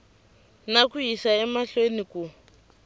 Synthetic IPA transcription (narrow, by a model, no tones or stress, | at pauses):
nakuisaɛmaɬweniku